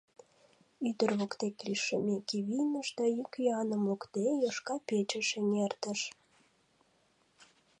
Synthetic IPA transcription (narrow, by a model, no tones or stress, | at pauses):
yd̪ərβokt̪ekliʃəmekiβinəʃd̪ɑjykʲjɑnəmokt̪ejəʃkɑpet͡ɕə̆ʃenert̪əʃ